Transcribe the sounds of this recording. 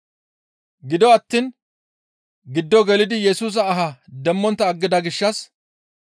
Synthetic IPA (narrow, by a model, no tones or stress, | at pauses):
ɡɪd̪ɔɐt̪ːiːn | ɡɪd̪ːɔɡɛlɪd̪ɪjɛsuːs̬ɐːɦɐd̪ɛmːɔnt̪ːɐːɡːɪd̪ɐɡɪʃːɐs